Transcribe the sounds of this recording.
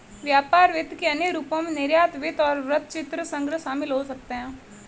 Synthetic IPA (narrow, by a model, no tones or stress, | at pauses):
ʋjaːpaːɾʋɪt̪keɐneɾuːpõmẽnɪɾjaːt̪ʋɪt̪ɔːɾʋɾət̪̚t͡ʃɪt̪ɾəsə̃ŋɡɾəʃaːmɪlɦosɐk̚t̪eɦɛ̃ː